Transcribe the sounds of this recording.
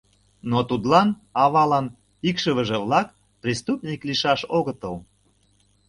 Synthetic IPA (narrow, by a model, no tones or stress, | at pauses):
not̪ud̪lɑn | ɑβɑlɑn | ikʃəβəʒeβlɑk | prʲist̪upnʲikliʃɑʃoɣət̪əl